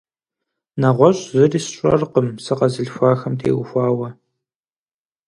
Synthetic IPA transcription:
nɐʁʷɔɕʼzɨriːsɕʷʼɔ̰rqəmsɨqɐzɨɮfʷaːxɐmtʰḛːwʊxʷaːwɐ

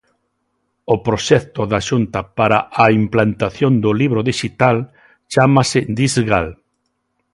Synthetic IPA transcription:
ʊpɾoʃɛkt̪ʊðaʃunt̪ɐpaɾaʔaimplant̪aθjond̪ʊliβɾʊðiʃit̪al | t͡ʃamasɪd̪izɣal

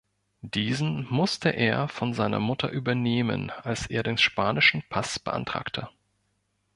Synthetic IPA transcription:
d̥iːzn̩mʊstʰəʔeːɐfɔnzaɪnɐ̰mʊtʰɐ̰ʔyːbɐneːmə̰nalsʔeːɐdeːnʃpaːnɪʃn̩pʰasb̥əʔa̰ntʁ̥a̰ːktʰə

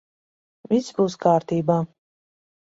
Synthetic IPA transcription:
visbuːskʰaːɾt̪ʰiːbaː

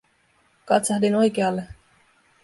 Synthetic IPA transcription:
kɑt̪sɑhdino̞jkeɑlːe

